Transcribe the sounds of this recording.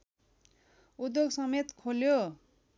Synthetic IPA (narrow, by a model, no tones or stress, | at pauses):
ud̪joɡsʌmet̪kʰoljo